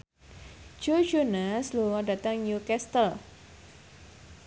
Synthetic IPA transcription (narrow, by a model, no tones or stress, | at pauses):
d͡ʒ̥od͡ʒonasluŋɔdat̪əŋɲukɛst̪əl